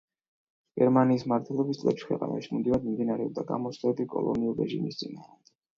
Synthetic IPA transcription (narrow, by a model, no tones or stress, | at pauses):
ɡ̥ɛɾmaniːsmaɾt̪ʰwɛlˠɔbist̪sʼlɛpʃi̥kʰwɛqʼa̰na̰ʃimimd̪ivad̪mimd̪inaɾɛɔb̚d̪aɡa̰mɔslɛbikʼɔ̰lˠɔ̰niuɾɛʒḭmist̪sʼina